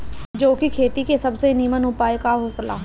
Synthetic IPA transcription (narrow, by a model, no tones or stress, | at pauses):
d͡ʒoːkikʰeːt̪iːkeːsəbseːniːmənʊpaːekaːɦoːsəla̰ː